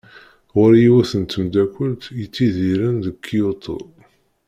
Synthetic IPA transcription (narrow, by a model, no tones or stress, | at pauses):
ʁʊɾjiwæθənt̪əmd̪ækʷːəlt̪jət͡sːiðiɾənðəkʰːijut̪ˤʰo̰ð